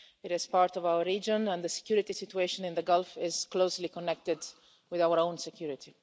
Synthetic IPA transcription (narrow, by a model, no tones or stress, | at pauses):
ɪɾɪz̥paɾt̪ɔvawəɹiːd͡ʒɔ̃nɛ̃nðəsɛ̥kjuːɾɪt̪isit̪ueɪʃɔ̃nɪ̃nd̪əɡɔlfɪzkloʊslikɔnːɛk̚t̪ɪd̪ | wɪðawəɾõʊ̃nsɛkʰjuːɾɪt̪ʰi